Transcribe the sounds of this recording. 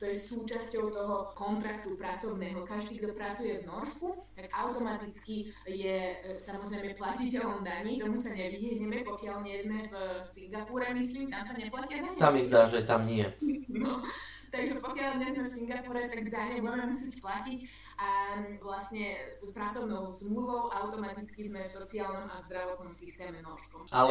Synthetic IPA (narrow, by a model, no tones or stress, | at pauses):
t̪ɔjɛsuːt͡ʃascɔʊt̪ɔɦɔkɔnt̪ɾakt̪upɾat͡sɔʊnɛːɦɔkaʒd̪iːɡd̪ɔpɾat͡sujɛvnɔɾskut̪aɡʔaʊt̪ɔmat̪it͡skijɛsamɔzɾɛjmɛplacicɛlɔmd̪aɲiːt̪ɔmusaɲɛʋiɦɛɲɛmɛpɔkɪaʎɲɪɛzmɛfsiŋɡapuɾɛmisliːmt̪amsaɲɛplaciavɔsamizd̪aːʒɛt̪amɲɪɛnɔ | t̪aɡʒɛpɔkɪalɲɛzmɛfsiŋɡapuɾɛt̪aɡvd̪aɲɛʋʊɛmɛmusɛcplacic | aʋlasɲɛt̪upɾat͡sɔʊnɔʊzmluʋɔʊʔaʊt̪ɔmat̪it͡skizmɛfsɔt͡siaːlnɔmʔavzd̪ɾaʋɔt̪̚nɔmsist̪ɛːmɛmnɔʃt̪ʋɔmʔal